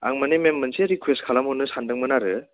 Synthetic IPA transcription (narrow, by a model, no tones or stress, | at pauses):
a̰ŋmanememːɯnseɾikʰwestkʰalamɔnɯsandɯŋmɯnaɾɯ